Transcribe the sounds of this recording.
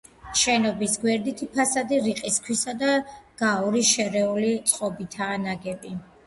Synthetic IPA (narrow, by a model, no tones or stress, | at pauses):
ʃɛnɔbisɡwɛɾd̪it̪ʰipʰasad̪iɾiqʼiskʰwisad̪aɡ̥auɾiʃɛɾɛulit̪sʼqʼɔbit̪ʰaːnaɡɛbi